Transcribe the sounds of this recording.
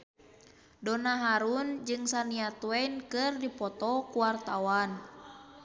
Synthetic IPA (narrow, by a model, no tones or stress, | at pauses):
dɔnaɦaɾund͡ʒɨŋsaniat̪wɛnkɨrdipɔt̪ɔkuwart̪awan